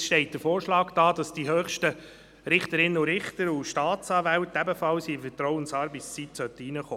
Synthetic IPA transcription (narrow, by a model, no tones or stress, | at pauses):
ʃtɛɪt̚d̥əfoːɾʃlɑːɡd̥ɑːd̥ɑsd̥iɦøːχʃtə | ɾɪχtəɾɪnːəʊɾɪχtəɾʊʃtɑːt͡sɑːvæltæbəfɑlsifətɾɔwənsɑːɾbɪst͡sitsœtəinəχo̰ː